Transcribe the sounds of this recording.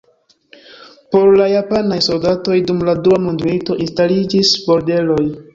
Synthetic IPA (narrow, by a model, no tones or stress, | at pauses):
po̞ɾlajapanajso̞ldato̞jdumladuamundmito̞ʔinstalid͡ʒisbo̞ɾde̞lo̞j